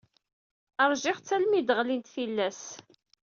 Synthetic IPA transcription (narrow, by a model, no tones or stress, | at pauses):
əɾˤʒɪχt͡sːælmid̪əʁlint̪filːæs